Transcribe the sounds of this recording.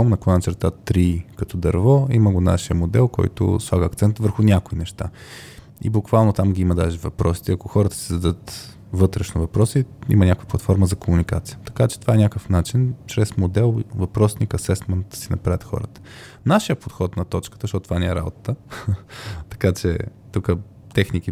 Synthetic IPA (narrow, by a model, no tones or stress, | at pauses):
ɔmnɐkonɐt͡ʃɛɾt̪at̪ːɾikɐt̪ɔd̪ɐɾvɔiməɡona̰ʃiəmod̪ɛ̰lˠkɔ̰jt̪ʊ̰slˠaɡəːk̚t̪sɛnt̪vəɾxʊnʲakʊinɛʃt̪a̰ | ḭbʊkvalˠnot̪amɡʲiiməd̪aʒɛvɐpɾɔsi̥t̪ɛɐkoxɔɾət̪ə̥sɛzɐd̪ɤt̪ | vɤt̪ɾɛʃnovɐpɾɔsiḭmɐnʲakovjəplˠɐt̪fɔɾməzɐkomunikat̪sijə̥t̪ɐ̥kat͡ʃɛt̪ovaɛnʲakəfnat͡ʃint͡ʃɾɛsmod̪ɛlˠvɐpɾɔsnikɐsɛsmɛnt̪̚d̪̥ɐ̥sinɐpɾavət̪xɔ̰ɾət̪ə̥ | naʃijəpot̪xɔt̪nɐt̪ɔt͡ʃkə̥t̪əʃt̪ɔt̪ot̪ovanɛɛɾa̰bot̪ə̥t̪ə | t̪ɐ̥kat͡ʃɛ̰t̪ukə | t̪ɛxniki